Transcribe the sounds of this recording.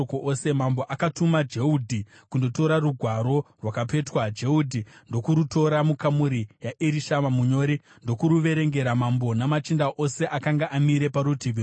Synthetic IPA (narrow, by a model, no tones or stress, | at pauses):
okoʔosemambo̞ʔakatumad͡ʒe̞udʱi | kundo̞to̞ɾaruɡʱwaɾo̞rwakape̞twad͡ʒe̞udʱindo̞kuɾuto̞ɾamukamuɾijaʔiɾiʃamamuɲo̞ɾi | ndo̞kuɾuʋe̞ɾe̞ŋɡe̞ɾamambonamat͡ʃindaʔo̞se̞ʔakaŋɡaʔamiɾe̞paɾutiʋi